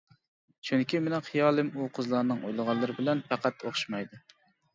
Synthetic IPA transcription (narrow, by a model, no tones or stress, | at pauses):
t͡ʃʰyŋkʲimenɪχʰɨjɑːlˠɨmuqʰəzlˠɑɾnɨŋo̰jlˠəʁɑlˠːɨɾɪbɪlɛnpæqæt̪oχʃmɑjd̪u